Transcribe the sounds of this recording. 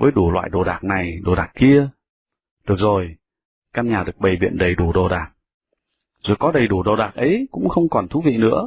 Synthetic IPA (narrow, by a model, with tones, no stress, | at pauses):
vəː˨˦jɗu˧˩lwa̰ː˧˨jɗo˨˩ɗaː˨˩k̚na˨˩jɗo˨˩ɗaː˨˩k̚ki˧ə | ɗɨ˨˩ək̚zo˨˩j | kaː˧nɲaː˨˩ɗɨ˨˩ək̚ɓə˨˩jɓḭ˧˨ənɗə˨˩jɗu˧˩ɗo˨˩ɗaː˨˩k̚ | zo˨˩jkɔ˨˦ɗə˨˩jɗu˧˩ɗo˨˩ɗaː˨˩k̚ʔə˨˦jkʊ̰˧˥ŋ͡mxə˧wŋ͡mkɔ˨˩nt̪ʰu˨˦vḭ˧˨nɨ̰˧˥ə